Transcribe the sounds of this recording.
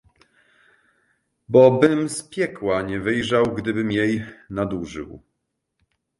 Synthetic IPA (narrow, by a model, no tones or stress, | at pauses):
bɔbɘmspʲjɛkwaɲɛvɘjʐawɡd̪ɘbɘmjejnad̪uʐɘ̰w